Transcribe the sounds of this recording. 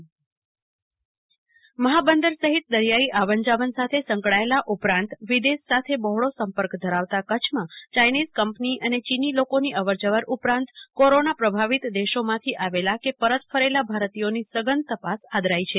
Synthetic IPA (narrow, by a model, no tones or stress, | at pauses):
məɦabənd̪əɾsəɦit̪̚d̪əɾjaiʔaʋəɲd͡ʒaʋənsat̪ʰesə̃ŋkɭaelaʔupɾãnt̪ʋid̪esːat̪ʰebɔɦɭosəmpəɾkd̪ʱəɾaʋt̪akət͡ʃʰmãt͡ʃajnizkəmpniʔənet͡ʃinilokoniʔəʋəɾd͡ʒəʋəɾʔupɾãnt̪koɾonapɾəbʱaʋit̪d̪eʃomãt̪ʰiʔaʋelakepəɾət̪fʰəɾelabʱaɾt̪ijonisəɡənt̪əpasad̪ɾait͡ʃʰe